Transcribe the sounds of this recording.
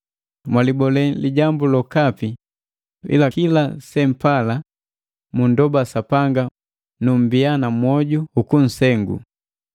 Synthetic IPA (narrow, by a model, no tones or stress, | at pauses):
mwalibɔlɛliɟambulɔkapi | ḭlakilasɛm̩pala | mundɔbasapaŋɡa | num̩bianamwɔɟuukun̩sɛŋɡṵ